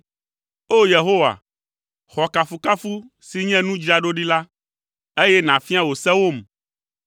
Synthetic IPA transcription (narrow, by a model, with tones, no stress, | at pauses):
o˦je˨ɦo˦wa̰˨ | xɔ˨ka˨fu˨ka˦fu˦ | si˨ɲɛ̃˦nũ˦d͡ʑi˦a˨ɖo˦ɖi˦la˦ | e˦jɛ˦nã˨fi˦a˦wo˨sɛ̃˦wo˦˨m˨